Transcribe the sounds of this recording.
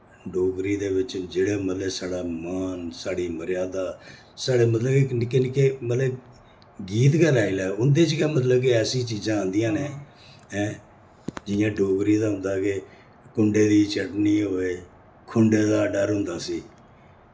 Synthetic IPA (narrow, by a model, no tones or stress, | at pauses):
ɖoːɡɾiːd̪eːʋɪt͡ʃd͡ʒeːɽeːmət̪leːsaːɽaːmaːnsaːɽiːməɾɪjaːd̪aː | saːɽeːmət̪ləbeɪkenɪkeːmət̪lə | ɡiːt̪kɛlaːilɛːʊnd̪eːt͡ʃkɛːmət̪ləbkeɛːsĩːt͡ʃiːzãːə̃ːnd̪ɪjãːneː | ɛ̃ː | d͡ʒɪjãːɖoːɡɾiːd̪aːɦʊ̃nd̪aːke | kʊɳɖeːd̪iːt͡ʃəʈniːɦoːeː | kʰʊɳɖeːd̪aːɖəɾɦʊnd̪aːsiː